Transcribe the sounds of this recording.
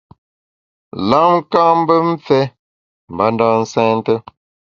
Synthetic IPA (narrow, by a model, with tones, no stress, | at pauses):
la˦ŋ̩˦kã˦m̩˦bə˦m̩˦fɛ˦ | m̩˨ba˨˦ndɔː˦˨n̩˦sɛ̃ː˦n˦tə˦